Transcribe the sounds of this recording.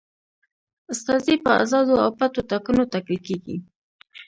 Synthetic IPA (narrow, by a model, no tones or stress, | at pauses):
ʊst̪ɑzipəa̰zɑd̪oawpat̪ot̪akunot̪aklikeɡḭ